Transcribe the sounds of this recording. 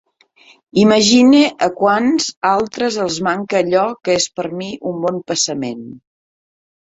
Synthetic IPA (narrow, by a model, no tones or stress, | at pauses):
iməʒineʔəkwanz̥alˠt̪ɾəzəlˠzmaŋkəːʎɔkəespəɾmiʔumbɔmpəsəmen